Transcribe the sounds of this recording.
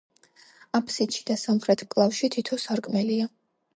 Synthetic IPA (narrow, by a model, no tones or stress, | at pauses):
apʰsit̪ʃid̪̥asamχɾɛt̪ʰkʼlˠafʃit̪ʰit̪ʰɔsaɾkʼmɛlia